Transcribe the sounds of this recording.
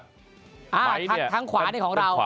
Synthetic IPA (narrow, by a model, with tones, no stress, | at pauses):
ʔaː˧˩˧a˦t̪ʰa˦˥ŋkʰwaː˨˦˩aː˥˩jkʰɔː˩˦ŋɾa˧w